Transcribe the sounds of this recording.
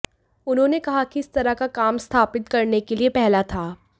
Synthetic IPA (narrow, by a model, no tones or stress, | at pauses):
ʊnɦõːnekɐɦakiɪst̪ɐɾakakaːmst̪ʰaːpɪt̪̚kɐɾnekeliepɛɦlat̪ʰaː